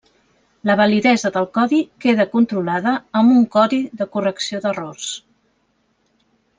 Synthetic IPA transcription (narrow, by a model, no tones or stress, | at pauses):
ləβ̞əliðɛzəðəlˠkɔðikeðəkunt̪ɾulaðəːmbuŋkɔðiðəkurəksioðərors